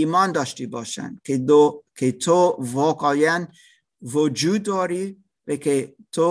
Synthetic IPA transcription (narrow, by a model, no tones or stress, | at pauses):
imɒːnd̪ɒʃt̪ʰibɒ̰ːʃæ̰nkʰekʰet̪ʰovɒːkɒːjæn | vod͡ʒuːd̪ːɔːɾi | vekʰet̪ʰo